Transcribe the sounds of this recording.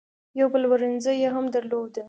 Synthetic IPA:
jawbəlwəɾɪnzəjeɦamd̪əɾlod̪ə

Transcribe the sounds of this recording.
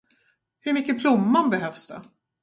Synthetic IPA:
hɵɾmʏkːəpʰlʊmːanbɛɦœfsd̪ɛ

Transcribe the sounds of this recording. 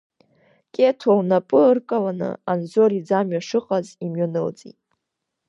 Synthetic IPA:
kʲʼetʰownapʼɨɨrkʼalanɨ̰anzoɾid͡zamɥaʂɨqʼazimɥanɨlt͡sʼḭtʼ

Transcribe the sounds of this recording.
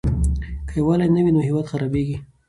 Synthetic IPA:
kəjwalajnəwinoɦɪwad̪xaɾɑbeɡi

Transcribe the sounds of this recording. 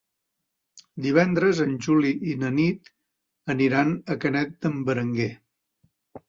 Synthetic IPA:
d̪iβ̞ɛnd̪ɾəzənʲʒuliʔinənit̪ | əniɾanəkənɛt̪̚d̪əmbəɾəŋɡe

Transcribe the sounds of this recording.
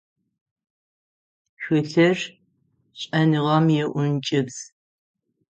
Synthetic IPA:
ʃʷʊɬɐr | ɕʼɐnɨʁɐmjɛʔʷʊnt͡ʃʼɪbz̥

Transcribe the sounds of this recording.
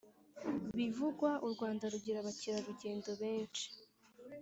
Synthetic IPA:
βivuɡwaʔuɾɡwaːndaɾuɟiɾaβaciɾaɾuɟe̞ːndo̞βe̞ːnt͡ʃi̥

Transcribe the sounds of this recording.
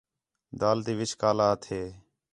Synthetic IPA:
d̪aːlt̪iːʋɪt͡ʃkaːlaːt̪ɦeː

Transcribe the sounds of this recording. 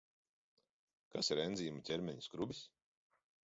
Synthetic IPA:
kasiɾɛnd̪zʲiːmat̪ʲɛɾmʲɛɲu̥skɾubʲis

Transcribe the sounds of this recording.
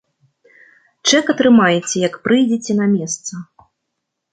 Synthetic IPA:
t͡ʂɛkɐt̪ɾɨmajɛt͡sʲɛjɐkpɾɨjd͡zʲet͡sʲɛnɐmʲɛst̪sɐ

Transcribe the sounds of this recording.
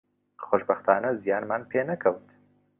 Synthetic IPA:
χoʃbɐxt̪ʰaːnɐzijaːnmaːnpʰeːnɐkʰɐwt̪

